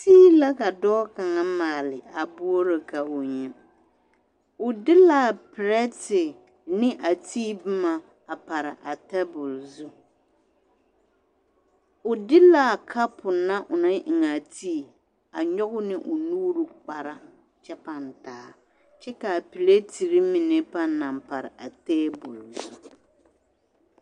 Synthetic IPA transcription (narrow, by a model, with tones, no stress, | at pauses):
tiː˦la˦ka˨dɔː˦ka˨ŋa˦maː˨lɪ˨a˨bʊ˦o˦ɾɪ˨ka˨ʔʊ˨ɲɛ˦ | ʊ˨dɪ˦la˨pɪ˨ɾɛ˦tɪ˨ | nɪ˦ʔa˨tiː˦bɪ˦ma˦ | a˨pa˨ɾa˨ʔa˨tɛ˦bʊ˨lzu˦ | ʊ˨dɪ˦la˨kʰa˦pʊ˨na˦ʔʊ˨na˦ʔɪ˨ŋa˨tʰiː˦˨ | a˨ɲɔ˦ɣʊ˦nɪ˦ʔʊ˨nuː˦ɾu˨k͡pa˨ɾa˦ | t͡ʃɛ˦pa˨n˨taː˨˦ | t͡ʃɛ˦ka˨pi˨le˦ti˨ɾi˦mi˨ne˦pa˦na˨mpa˨ɾɪ˨ʔa˨teː˦bʊ˨lzu˦